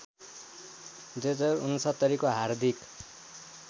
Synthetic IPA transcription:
d͡zed͡zʌɾunusʌt̪ʌɾikoɦard̪ʱik

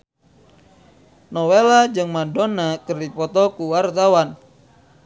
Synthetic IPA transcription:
nɔwelad͡ʒɨŋmandɔnakɨrdipɔt̪ɔkuwart̪awan

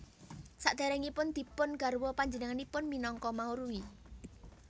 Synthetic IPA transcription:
saʔd̪̥a̤ɾɛŋipʊnd̪̥i̤pʊnɡ̥a̤ɾuwɔpaɲd͡ʒənəŋanipʊnminɔŋkɔmauɾui

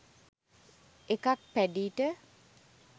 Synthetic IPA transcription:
ekak̚pæɖiːʈə

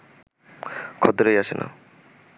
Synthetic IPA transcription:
kʰɔt̪oɾejaʃenʔa̰

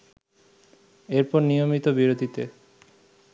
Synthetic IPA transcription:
eɾpɔɾnijomit̪obiɾod̪ʱit̪e

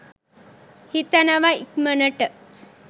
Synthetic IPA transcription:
hit̪anaʋaikmənəʈə

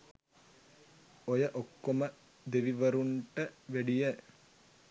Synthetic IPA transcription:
ojɐʔokːomɐ | d̪eʋiʋɐɾuɳʈɐʋeɽijɐ

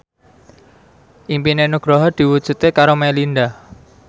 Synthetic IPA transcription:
ʔimpinenuɡ̥ɾɔɦɔrd̪̥i̤wud̥ʒ̥ṳt̪ekaɾomɛlind̪ah

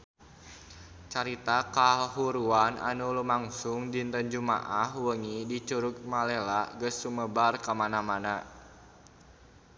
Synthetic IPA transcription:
t͡ʃaɾit̪akaɦuɾuana̰nulumaŋsuŋd͡ʒint̪ənd͡ʒuma̰ʔahwəŋidit͡ʃuɾuk̚malɛlaɡəsːuməbarkamanamana

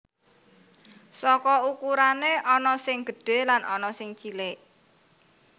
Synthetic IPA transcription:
sɔkɔukuɾaneʔɔnɔsɪŋɡ̥ə̤ɖ̥e̤lanʔɔnɔsɪŋt͡ʃilɪʔ

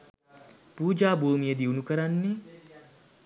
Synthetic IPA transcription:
puːd͡ʒaːbʱuːmijəd̪iwunukəɾanːe

